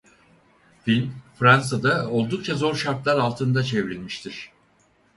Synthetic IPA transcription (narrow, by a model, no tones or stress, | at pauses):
finfɾansad̪ao̞lˠd̪uk̚t͡ʃʰazo̞ɾʃaɾt̪lˠaɾalˠt̪ʰɯnd̪at͡ʃʰe̞vɾilʲmiʃt̪ʰiɾ̝̥